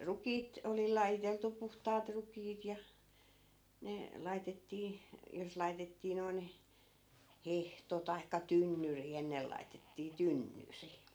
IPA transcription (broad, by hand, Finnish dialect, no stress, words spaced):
rukiːt oli lɑjiteltu puhtɑːt rukiːt jɑ ne lɑitetːiː jos lɑi̯tetːiː noi̯n hehto tɑi̯kːɑ tynːyri enːel lɑitetːiː tynːyri